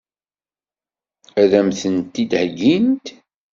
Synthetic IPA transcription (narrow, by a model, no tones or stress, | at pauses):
æðæmθənt̪ːid̪hɡint̪